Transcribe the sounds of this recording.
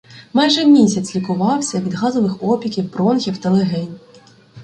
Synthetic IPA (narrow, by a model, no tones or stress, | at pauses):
mɑjʒɛmʲisʲɐt͡sʲlʲikʊʋɑwsʲɐʋʲid̪ɦɑzɔʋɪxɔpʲikʲiwbɾɔnxʲiwt̪ɐlˠeɦɛnʲ